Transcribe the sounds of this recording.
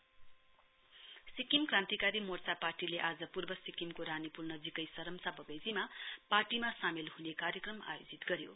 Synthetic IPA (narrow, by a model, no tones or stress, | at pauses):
sikimkrãnt̪ikaɾimort͡saparʈileʔad͡zʌpurbʌsikimkoɾanipulnʌd͡zikʌjsʌɾʌmsabʌbʌjd͡zimaparʈimasamilɦunekaɾjʌkrʌma̰jod͡zit̪ɡʌɾjo̰